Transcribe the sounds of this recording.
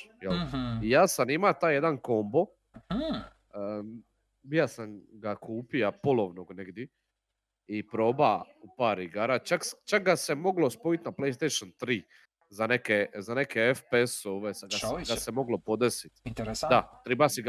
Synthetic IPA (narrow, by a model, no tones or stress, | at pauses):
jelijaːsanimat̪aːjed̪anko̞mbo̞ | bijasamɡakʰuːpiapo̞loʋnoɡneɡd̪je | ipɾo̞ːba | upaːɾiɡaɾat͡ʃakst͡ʃak̚ɡase̞mo̞ɡlo̞spoit̪naplejst̪ejʃont̪ɾiː | zanekezane̞kʰeefpeesoːʋesɡasɡasemo̞ɡlo̞po̞d̪esit̪d̪at̪ɾibasiɡ